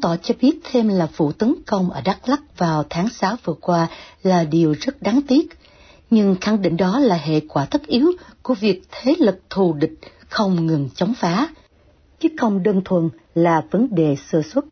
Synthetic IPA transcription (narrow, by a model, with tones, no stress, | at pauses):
t̪ɔ˧˩t͡ɕɔ˧ɓi˦˥ət̚t̪ʰe˧mlaː˨˩vṵ˧˨t̪ə˨˦nkə˧wŋ͡mʔəː˧˩ɗa˦˥k̚la˦˥k̚vaː˨˩wt̪ʰaː˨˦ŋsaː˨˦wvɨ˨˩əkwaː˧laː˨˩ɗi˨˩əwzə˦˥t̚ɗaː˨˦ŋt̪i˦˥ət̚ | ɲɨ˧ŋxa˧˩ŋɗḭ̈˧˨ŋ̟ɗɔ˨˦laː˨˩ɦḛ˧˨kwaː˧˩t̪ʰə˦˥k̚ʔi˨˦əwku˧˩əvi˨˩ək̚t̪ʰe˨˦lɨ˨˩k̚t̪ʰu˨˩ɗï˨˩k̟̚ | xə˧wŋ͡mŋɨ˨˩nt͡ɕɔ˨˦wŋ͡mfaː˨˦ | t͡ɕɨ˨˦xə˧wŋ͡mɗəː˧nt̪ʰwə˨˩n | laː˨˩və˨˦nɗe˨˩səː˧˩swə˦˥t̚